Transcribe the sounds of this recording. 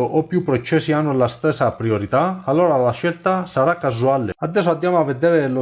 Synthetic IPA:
ʔopːjupːɾot͡ʃːɛsːianːʊlast̪ɛsːapɾioɾit̪aalːoːɾalaʃɛlt̪asaɾakːazualead̪ːɛs̬ːoad̪ːjaːmoavːed̪ɛːɾelʊ

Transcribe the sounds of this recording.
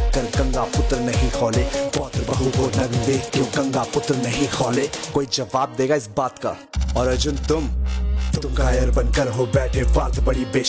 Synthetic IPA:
kəɾɡɐ̃ŋɡapʊt̪ɾnɐɦĩkʰɔːlepɔːt̪ɾbɐɦuɦonɐɡd̪eːkt̪õɡɐ̃ŋɡapʊt̪ɾnɐɦĩkʰɔːlekoːid͡ʒɐʋaːb̚d̪eːɡaɪsbaːt̪ka̰ | ɔːɾɐd͡ʒʊnt̪ʊmpʊt̪kɐɾajɐɾbə̃nkɐɾɦobɛːʈʰebaːɾt̪bɐɽibeː

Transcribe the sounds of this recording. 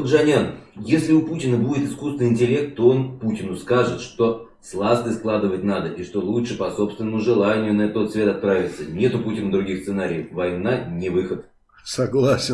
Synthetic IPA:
d̪ʐɐnʲanjesʲlʲɪʊputʲɪnəbudʲɪt̪ɨskust̪vʲɪnɪnʲtʲɪlʲe̞k̚t̪t̪ːoo̞nputʲɪnʊskaʐɨt̪ʂt̪o̞ | slˠast̪ɨsklˠad̪ɨvətʲnad̪əʔɪʂt̪o̞lˠuʂɨpɐso̞pst̪vʲɪnːəmʊʐɨlˠanʲɪjʊnɐɛt̪ːot̪svʲe̞t̪ɐt̪̚pɾavʲɪt̪sənʲe̞t̪ʊputʲɪnəd̪ɾʊɡʲixst̪sɨnaɾʲɪjəfvɐjnanʲɪvɨxət̪ | sɐɡlˠasʲɪ

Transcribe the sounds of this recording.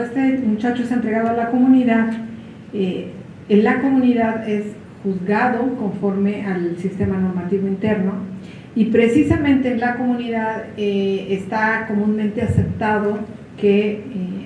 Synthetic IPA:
est̪emut͡ʃat͡ʃoesent̪ɾe̞ɣaðoalako̞mũniðað | e | enlako̞mũniðaðe̞s | xuzɣaðo̞ko̞ɱfo̞ɾme̞ʔalsist̪e̞mano̞ɾmat̪iβo̞int̪e̞ɾno̞ | ipɾe̞sisamẽnt̪e̞ːnlako̞mũniðaðeest̪ako̞mũnmẽnt̪e̞ase̞p̚t̪aðo̞ | ke̞

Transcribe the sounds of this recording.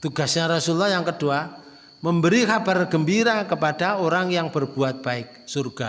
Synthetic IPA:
t̪uɡasɲaɾɔsulːɔhjaŋkədua | məmbəɾikabarɡəmbiɾakəpad̥aoɾaŋjaŋb̥ərb̥uat̪̚b̥aɪk̚surɡ̥a

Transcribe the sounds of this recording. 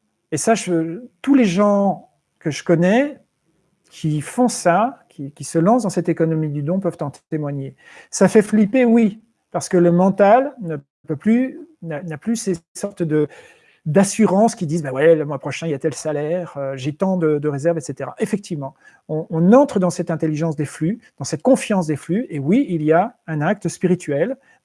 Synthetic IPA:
esaʒəøt̪uleʒɑ̃ | kəʒəkɔnɛ | kʲʰifɔ̃sakʲʰikʲisəlɑ̃sd̪ɑ̃sɛt̪ekɔnɔmid̪yd̪ɔ̃pœv̥t̪ɑ̃t̪emwaɲe | safɛflipewi | paʁsə̥kələmɑ̃t̪alnə | pøplynanaplysesɔʁt̪d̪ə | d̪asyʁɑ̃skʲid̪izbawɛləmwapχɔʃɛ̃ijat̪ɛlsalɛʁøʒet̪ɑ̃d̪əd̪əʁezɛʁvet̪set̪eʁa̰ʔefɛk̚t̪ivmɑ̃ | ɔ̃ɔ̃nɑ̃t̪χəd̪ɑ̃sɛt̪ɛ̃t̪eliʒɑ̃sd̪eflyd̪̥ɑ̃sɛt̪kɔ̃fjɑ̃sd̪eflyewiilijaɛ̃nak̚t̪əspiʁit̪ɥɛl

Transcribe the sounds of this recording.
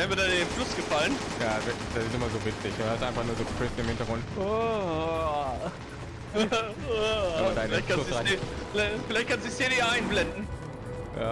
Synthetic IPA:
ɛɐnviɐdadenflʊsɡ̥əfalənjaːvɪd̥asɪstɪmɐzoːvɪt͡sɪçhastʔaɪnfaχnuːɐzoːɡəflɪsɪmhɪntɐɡʁʊnto | mɐdaɪɪlaɪçtkʰaʊʁaɪflafɪlaɪçt̚kʰansziçseːdiaɪnblɛndn̩ | ja̰ː

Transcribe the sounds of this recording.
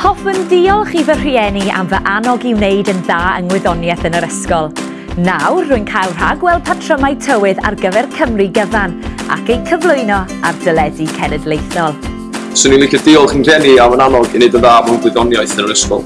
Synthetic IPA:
hɔfəndɪɔlˠχivər̥iɛnia̰mvəʔanɔɡɪwnejdənðaːəŋwɪðɔnjɛθənəɾəskɔlˠ | nawrrʊːɨnkʰajlˠr̥aɡwɛlˠpʰatʰr̥əmajtʰəwɨða̰rɡəvɛrkʰəmriɡəvana̰kejkʰəvlˠʊɨnɔ | a̰rdəlɛdikʰɛnɛdlejθɔlˠ | sənilˠɪkədɪɔlˠχənr̥jɛniavənanɔɡinejdənðaːvɔnɡwɪðɔnjaɨθənəɾəskɔ̰lˠ

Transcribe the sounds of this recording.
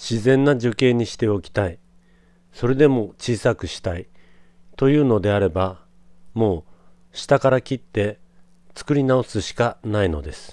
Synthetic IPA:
ɕizẽ̞nːaʑoke̞ːɲ̟iɕi̥t̪e̞o̞kʲi̥t̪ai | so̞ɾe̞d̪e̞mo̞t͡ɕiːsakɯ̟ɕi̥t̪ait̪o̞jɯ̟ːno̞d̪e̞aɾe̞ba | mo̞ː | ɕi̥t̪akaɾakʲit̪ːe̞ | t͡sɨ̥kɯ̟ɾʲinao̞sɨɕi̥kanaino̞̰d̪e̞sɨ̥

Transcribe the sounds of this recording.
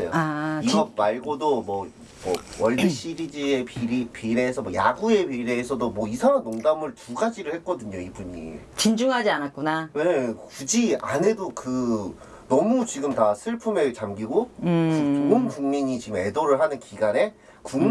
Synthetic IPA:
ḛjo̰aiɡʌmaɭɡodomʌ | mʌwʌɭdɯɕ͈ʰiɾid͡ʑiepiɾipiɾeːsʰʌmwoja̰ɡue̞piɾe̞ːsʰʌdomwʌisʰaŋanːoŋdamɯɭtuɡad͡ʑiɾɯɭhet̚k͈ʌdɯɲoibuɲḭ | t͡ɕind͡ʑuŋɦad͡ʑianat̚k͈unaweɲekud͡ʑia̰ne̞dokɯ | nʌmut͡ɕiɡɯmtasʰɯɭpʰumet͡ɕamɡiɡo | oɯnkuŋmiɲit͡ɕiɡɯme̞doɾɯɭɦanɯnkiɡane̞ | kuŋ

